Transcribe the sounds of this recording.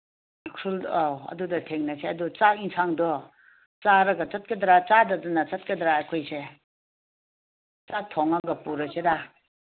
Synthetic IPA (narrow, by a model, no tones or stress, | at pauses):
kʰɾulɐ̰dudɐtʰeŋnɐseɐdut͡sak̚iŋsʰaŋdɔ | t͡saɾɐɡɐt͡sɐt̚kɐdɾat͡sadɐdɔnat͡sɐt̚kedɾaakʰojse | t͡sak̚tʰɔŋaɡɐpuɾɐseɾa